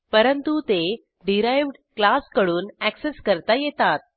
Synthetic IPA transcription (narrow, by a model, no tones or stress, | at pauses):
pəɾənt̪ut̪e | ɖiɾajʋɖ | klaskəɽuːnækseskəɾt̪ajet̪at̪̚